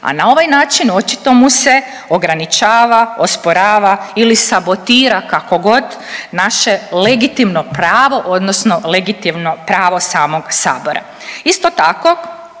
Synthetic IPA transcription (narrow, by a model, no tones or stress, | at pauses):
a̰nao̞ʋajnaːt͡ʃino̞t͡ʃi̥t̪o̞muse̞ | o̞ɡɾanit͡ʃaːʋaospoɾaːʋailisabo̞t̪iːɾakako̞ɡo̞d̪naʃele̞ɡit̪imnopɾaːʋo̞ʔo̞d̪nosnole̞ɡit̪imnopɾaːʋo̞saːmo̞ɡ̥sa̰ːboɾa̰ | ist̪ot̪ako̞